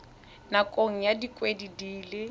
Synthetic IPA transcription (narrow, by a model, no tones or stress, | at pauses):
nakʼoŋ̩jadikʼwedidiːlɪ